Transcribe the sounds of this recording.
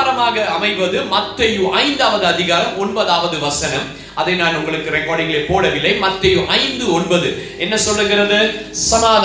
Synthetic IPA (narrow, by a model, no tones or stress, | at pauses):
ɾɐmaːɣɐɐmɐɪʋɐðɯmɐt̪ːɐjɯʔɐɪnd̪aːʋɐðɯɐðɪɣaːɾɐmɔɳbɐðaːʋɐðɯʋɐsɐnɐm | ʔɐðɐɪnaːnʊŋɡɐɭɯkːɯɾɛkːoːɽɪŋɡɐɭepoːɽɐʋɪlːɐɪmɐt̪ːɐjɯʔɐɪnd̪ɯɔɳbɐðɯʔɛnːɐsɔlːɯŋɡɪɾɐðɯsɐmaːð